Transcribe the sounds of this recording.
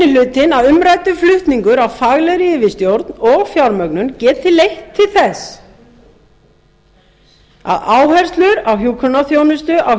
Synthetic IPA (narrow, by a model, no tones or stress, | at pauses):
ɪlʏːt̪ɪnaðʏmɾajt̪ʏflʏht̪niŋkʏɾawfaɣlɛɾiɪvɪst̪jowɾt̪nɔɣfjawɾmœknʏmcɛːt̪ʰɪlːejht̪ʰːɪlθɛs | a̰ðaːwhɛr̥st̪lʏɾawɦjuːkʰœnːaθjownʏst̪ʏʔa